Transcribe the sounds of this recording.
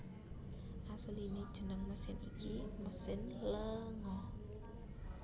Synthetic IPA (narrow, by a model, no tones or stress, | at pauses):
ʔasəlined̥ʒ̥ə̤nəŋməsɪnikiməsɪnləŋɔh